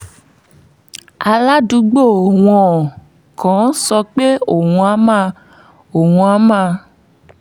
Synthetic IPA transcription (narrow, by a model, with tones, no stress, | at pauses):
a˧la˦du˧ɡ͡bo˦˨w̃ɔ̃˨ | kɔ̃˨˦sɔ˧k͡pe˦o˨wũ˧a˨˦mã˧ | o˨wũ˧a˨˦mã˧